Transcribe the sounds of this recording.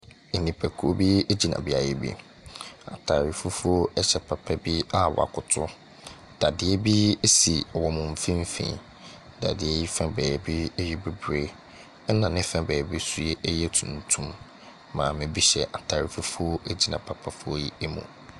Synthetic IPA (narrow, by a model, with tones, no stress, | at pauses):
e˨nĩ˨pʰæ˨kʰu˨o˦bi˦e˦d͡ʑi˨nã̰˨bi˦a˨jɛ˦bḭ˦ | a̰˨tʰaː˨ɾi˨fu˦fʊ˦o˦ɛ˦ɕɛ˨pʰa˨pʰa˦bi˦a˦˨wɔ̰˨a̰˨kʰʊ˨tʰʊ˦ | d̥a˨dɪ˨ɛ˦bi˦e˦si˨ɔ˨wɔ˨mʊ̃˨m̩˨fĩ˦m˦fḭ̃˨ | da̰˨dɪ˨ɛ˦ji˦fã˦bɛː˨bi˦ɛ˦jɛ˦be˨bɾe˦ | ɛ˦nã˨nɪ̃˦fã˦bɛː˨bi˦su˦e˦ʔɛ˦jɛ˦tʰũ˨n˨tʰũ˦mː | ã̰˨mɪ̃˨bi˦ɕɛ˨ʔa˨tʰaː˨ɾi˨fu˦fʊ˦o˦e˦d͡ʑi˨nã˨pʰa˨pʰa˨fʊ˦o˦ji˦e˦mṵ̃˨